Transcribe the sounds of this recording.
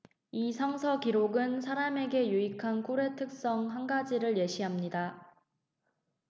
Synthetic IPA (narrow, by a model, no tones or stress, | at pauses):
isʰʌŋsʰʌkiɾoɡɯnsʰaɾame̞ɡe̞juikʰankʰoɾe̞tʰɯk̚s͈ʌŋɦanɡad͡ʑiɾɯɭje̞ɕʰiɦamɲida